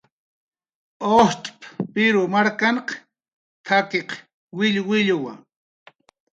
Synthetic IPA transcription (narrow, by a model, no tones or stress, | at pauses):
oht̪ʼppɪɾʊmaɾkaɴq | t̪ʰakeq | wɪʎwɪʎʊwa̰ŋ